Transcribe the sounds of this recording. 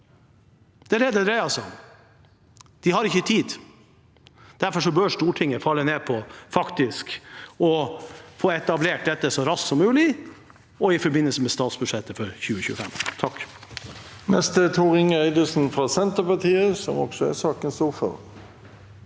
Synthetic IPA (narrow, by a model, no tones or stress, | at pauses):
d̪̥ɛæɾɛd̪əd̪ɾæɪɑlsɔ | d̪̥ɪhɑɾɪçːət̪ʰiːd̪ | d̪̥æɾfɔʂɔbøːʂt̪uːʈʰɪŋːəfɑlːəneːpʰɔfɑkt̪ɪskɔfoːɛt̪ɑbleːʈ̚d̪ɛt̪ːəsɔɾɑssɔmːʉːlɪ | ɔɪfɔɾbɪnːəlsəmɛst̪ɑːt̪sbʉd̪ʂɛt̪ːəfɔɾçʉːəçʉ̰ːəfɛ̰mt̪ʰɑk | mɛst̪ət̪ʰuːʁɪŋəæɪd̪əsn̩fʁɑsɛnt̪əpɑt̪ʰiːəsɔmɔɡ̥sɔæ̰sɑːkənst̪uːʁfɔ̰ʁ